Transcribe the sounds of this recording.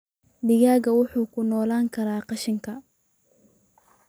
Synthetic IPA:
d̪ɪɣaːɣɐwʊħuːkʰʊnɔːlaːŋkʰɐɾaːqɑʃɪŋkʰɐ

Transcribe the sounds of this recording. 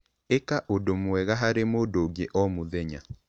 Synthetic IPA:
ekaʔodomwɛɣaɦaɾemoːdoɡeʔɔmuðɛɲa̰

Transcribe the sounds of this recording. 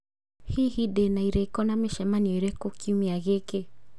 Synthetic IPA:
hihidenaiɾɛikɔnameʃɛmaniɔiɾɛkokiumiaɣeke

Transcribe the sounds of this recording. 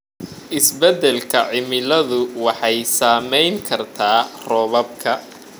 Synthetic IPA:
ʔɪsbɛd̪ɛlkʰɐʕɪmɪlɐðʊwɑħɑjsaːmɛjŋkʰɐrt̪ʰaːrɔːβɐb̚kʰɐ

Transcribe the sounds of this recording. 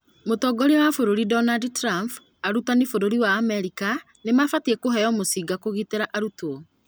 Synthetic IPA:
motɔɡɔɾiwafoɾoɾidɔnadtɾamp | aɾutanifoɾoɾiwaːmɛɾika | nemafatiekoɦɛjɔmosiːɡakoɣiteɾaʔaɾuto

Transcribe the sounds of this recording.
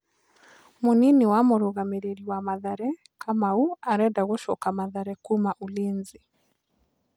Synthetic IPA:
moninewamoɾoɣameɾeɾiwamaðaɾɛ | kʰamauaɾɛdaɣoʃɔkamaðaɾɛkumaʔoleːnzi

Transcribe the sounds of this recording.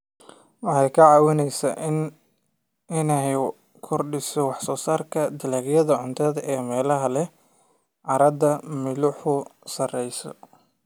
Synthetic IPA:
wɑħɑjkʰɐʕɑːwɪnɛjsaʔɪn | ɪnɛj | kʰɔrɖɪsɔwɑħsɔːsaːrkʰɐd̪ɪlaːɡjɐðɐʕʊnt̪ʰɐðɐʔɛːmɛːlɐɦɐlɛ | ʕɑɾɐd̪ɐmɪlʊħʊsɐrɛjsɔ̰

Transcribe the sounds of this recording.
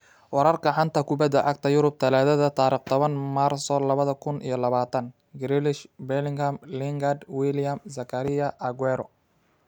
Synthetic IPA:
wɑɾɐrkʰɐħɑnt̪ʰɐkʰʊbɐd̪ɐʔɑɡ̚t̪ʰɐjʊɾʊb̚t̪ʰɐlaːðɐðɐt̪ʰaːɾiːχt̪ʰɔβɐnmarsɔlɐβɐðɐkʰʊnʔḭjɔlɐβaːt̪ʰɐn | ɡɾɪlɪʃbɛlɪŋɡɐmlɪŋɡɐd̪wɪljɐmsɐkʰɐɾɪjɐʔɐɡwɛɾɔ̰

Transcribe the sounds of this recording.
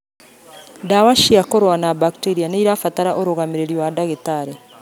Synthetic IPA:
ndawaʃiakoɾwanabakiteɾianaiɾafataɾaʔoɾoɣameɾeɾiwadaɣetaɾe

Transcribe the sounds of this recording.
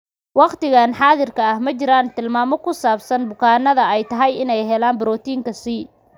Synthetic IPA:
wɑqt̪ɪɣaːnħɑːðɪrkʰɐɐhmɐt͡ʃɪɾaːnt̪ʰɪlmaːmɔkʰʊsaːbsɐnbʊkʰaːnɐðɐɛjt̪ʰɐɦɐjɪnɛjɦɛlaːnbɪɾɔːt̪ʰiːŋkʰɐsi

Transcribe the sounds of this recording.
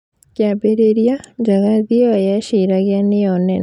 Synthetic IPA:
kjabeɾeɾjaɲd͡ʒaɣaðiɔajaʃiɾaɣjanɪjɔnɛ

